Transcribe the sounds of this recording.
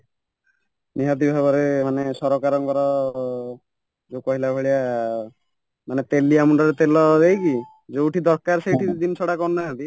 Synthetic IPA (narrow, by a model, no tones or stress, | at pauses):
niɦat̪̬ibʱaβɔɾemanesɔɾɔkaɾɔŋkɔɾɔ | d͡ʒewkɔɦilabʱɔɭia | manet̪eliamuɳɖɔɾet̪elɔd̪ejki | d͡ʒewʈʰid̪ɔɾkaɾsejʈʰid̪insʰɔɽakɔnnaɦat̪i